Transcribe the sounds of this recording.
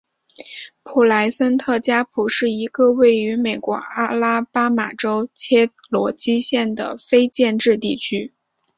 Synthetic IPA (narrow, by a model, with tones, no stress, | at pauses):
pʰu˨˩la˧˥ɪsə˥nt̪ʰɤ˥˩t͡ɕja˥pʰu˨˩ʂɻ̩˥˩i˧˥ɡə˧we˥˩ɪy˧˥me˨˩ɪkwɔ̰˧˥a˥la˥pa˥ma̰˨˩ʈ͡ʂo˥ʊt͡ɕʰjɛ˥ | lwɔ˧˥t͡ɕi˥ɕjɛ˥˩nd̪ə̰˩fe˥ɪt͡ɕjɛ˥˧nʈ͡ʂɻ̩˥˧t̪i˥˩t͡ɕʰy˥